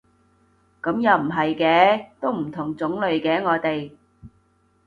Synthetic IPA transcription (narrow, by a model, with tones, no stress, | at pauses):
kɐ˨˥mjɐ˨wm̩˨˩ɦɐ˨jkɛː˨˧˥t̪o˥wm̩˨˩t̪ʰʊ˨˩ŋt͡sʊ˨˥ŋlɵ˨˧ɥkɛː˨˥ŋɔː˨˧t̪e˨j